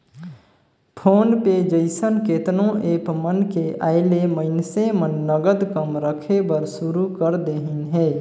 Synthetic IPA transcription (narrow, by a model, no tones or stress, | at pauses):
pʰoːnped͡ʒəɪsənkeːt̪nõʔeːpmənkeʔaːɪleməɪnsẽmənːəɡəd̪kəmɾəkʰebəɾsʊɾukəɾd̪eːɦɪnɦɛː